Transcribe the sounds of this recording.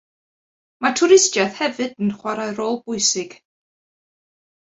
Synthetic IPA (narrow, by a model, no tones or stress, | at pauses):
matʰʊɾɪstjaðhɛvɨdənχwaɾaɨɾoːlˠbʊɨsɪɡ̥